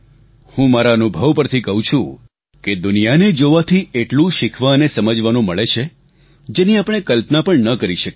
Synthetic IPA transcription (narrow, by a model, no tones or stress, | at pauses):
hũmaɾaənubʱəʋpəɾt̪ʰikəɦũt͡ʃʰũ | ked̪ʊnijaned͡ʒoʋat̪ʰieʈlũʃɪkʰʋaənesəməd͡ʒʋanũməɭet͡ʃʰe | d͡ʒeniapəɽ̃ekəlpnapəɳnəkəɾiʃək